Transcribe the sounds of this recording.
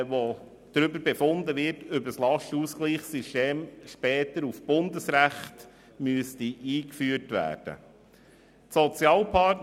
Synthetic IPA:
ʋo | d̥ɾʏbəɾbefʊnd̪əʋɪɾtøbəslɑʃtuskliːχsiʃteːmʃpɛːt̪əɾufb̥ʊnd̪əsɾæχt | myəstiʔiːkfyːəɾtʋæ̰ːɾd̥ə̰ | tsɔt͡sjɑːlpʰɑt

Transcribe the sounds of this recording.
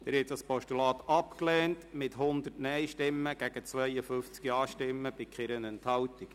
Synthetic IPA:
d̪̥ɛɾhɛt̚dɑspɔʃtulɑːt̪ɑpklɛːntmɪtɦʊnd̪ərtnɛjʃtɪmːəɡ̥æɡ̥ət͡sʋœjəfʏft͡skiɑːʃtɪmːəb̥ɪkχɪɾənɛnthɑltik

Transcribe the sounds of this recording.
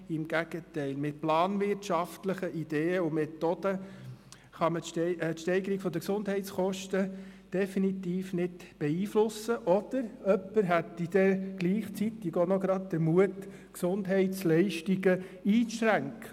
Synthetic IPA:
ɪmɡ̥æɡ̥ətɛɪlmɪt̪̚plɑːnvɪrtʃɑftləχəʔid̥̪eːəʊmet̪od̥ə | χɑmətʃtɛɪɡəɾiɡ̥fɔd̪əksʊndhɛɪt̪t͡sχɔʃtəd̥ɛfinit̪iːfnɪdb̥ɛiːflʊsəʔɔd̥̪əɾœpːəɾɦætid̥̪ɛɡ̥liːχt͡sit̪ːɪɡonɔɡɾɑd̪̚d̥̪əɾmuət | ksʊnd̪ɦɛɪtslɛɪʃtiɡəiːt͡sɾæŋkə

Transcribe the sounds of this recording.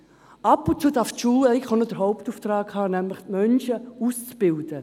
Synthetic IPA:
ʔɑpːʊntt͡suːdaɾftʃuːlɛɪχonəd̥əɾɦaʊptuːft̪rɑːkhɑːnɛmləχtmœnʃəuːst͡sb̥ɪld̥ə

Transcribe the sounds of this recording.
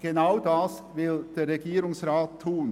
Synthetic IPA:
ɡ̥ənaʊdɑsvɪld̪̥eːɾɛɡiːɾʊŋsɾɑːtʰːuːn

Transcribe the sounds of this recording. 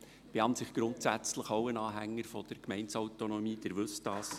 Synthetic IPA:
b̥eɑntsɪχɡ̥ɾʊntsæt͡sləχoʊənɑːɦæŋːəɾfɔd̥̪əɾkmɛɪnsɔwtonɔmiːd̥ɪɾʋɵstɑːs

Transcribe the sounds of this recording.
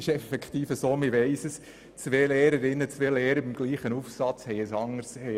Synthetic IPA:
ɪʃɛfɛkχt̪iːfəsoːmɪʋɛɪsəs | t͡sʋeːleːɾəɾɪnːət͡sʋeːleːɾəbɪmɡ̥liːχənufsɑt͡shɛɪəsɑŋəɾshɛɪ

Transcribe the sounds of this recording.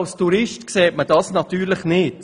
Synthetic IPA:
lstuɾɪʃtkseːtməd̥ɑsnɑt̪yːɾlɪχnɪt

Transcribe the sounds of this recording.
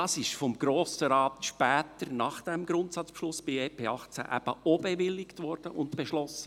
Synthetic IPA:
ɑsɪʃfɔmɡɾoːsəɾɑːtʃpɛːtəɾnɑχd̥ɛmɡɾʊntsɑt͡spʃlʊsb̥ɪɛːpʰeːɑχt͡sæ̰ʔæb̥əʔobeʋɪlːɪktʋɔrd̥əʔʊntb̥eʃlɔsə

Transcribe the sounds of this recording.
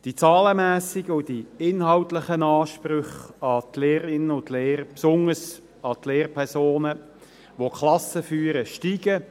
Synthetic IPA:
d̥it͡sɑːləmæːsɪɡəʊdiɪnhɑwtləχənɑːʃpɾʏχɑt̪leːɾɪnəʊnt̪leːɾpsʊnəs | ɑt̪leːrpʰɛʁsoːnə | ʋokʰlɑsəfyːəɾəʃtiːɡə

